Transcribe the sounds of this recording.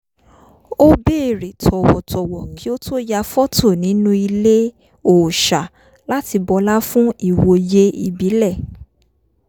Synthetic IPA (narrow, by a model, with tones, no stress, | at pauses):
o˦be˦˨ɾi˨tʰɔ˨wɔ˨tʰɔ˨wɔ˨kʰi˨˦o˦to˦ja˧fɔ˦tʰo˦˨nĩ˨˦nũ˦i˧le˦ | o˨ʃa˨ | la˦ti˧bɔ˧la˦fũ˦i˦˨wo˧je˦i˨bi˨˦lɛ˦˨